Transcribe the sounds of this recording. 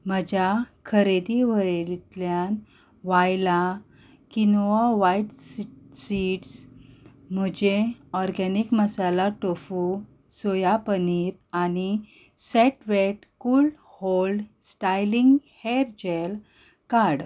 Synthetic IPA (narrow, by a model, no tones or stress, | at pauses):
m̤əd͡ʑakʰəɾed̪iʋəit̪ljan | ʋajla | kinoaʋajʈssiʈs | m̤əd͡ʑeɔɾɡɛnikməsalaʈofu | sojapəniɾani | sɛʈʋeʈkul | holɖsʈajliŋɡheɾd͡ʑel | kaɽ